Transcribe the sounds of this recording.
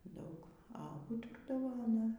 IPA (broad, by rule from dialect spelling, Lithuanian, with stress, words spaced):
ˈdɐʊk ɐ ˈuːtʊrdɐʋoː ɐˈnɐ